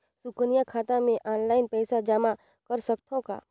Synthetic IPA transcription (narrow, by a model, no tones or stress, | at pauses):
sʊknijakʰaːt̪ãmẽʔɔːnlaːɪnpɛːsad͡ʒama | kɐɾsəkt̪ʰõka̰ː